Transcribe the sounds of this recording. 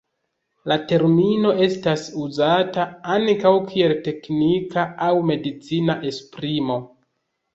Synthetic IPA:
late̞ɾmino̞e̞stasuzataaŋkawkʰie̞lte̞knikaawme̞dit͡sinaʔe̞spɾimo̞

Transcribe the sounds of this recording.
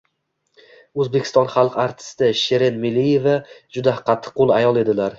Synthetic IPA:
ɵzbekʰʲɪ̥st̪ɒnχɑlˠqaɾt̪ʰɪ̥st̪ɪʃe̞ɾe̞nmɪlːije̞vad͡ʒʊd̪aqʰːɑt̪ʰːɨ̥qʰːolˠajɒlˠe̞d̪ɪlaɾ

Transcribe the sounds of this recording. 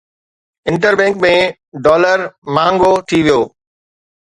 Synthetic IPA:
ɪ̃ɳʈəɾbɛ̃ːŋkmẽ | ɖɔːləɾmãːŋɡot̪ʰiʋijoː

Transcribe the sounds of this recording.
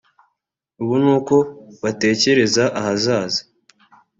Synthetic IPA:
uβunuːko̞βate̞ːce̞ɾe̞zaʔahazaːzḁ

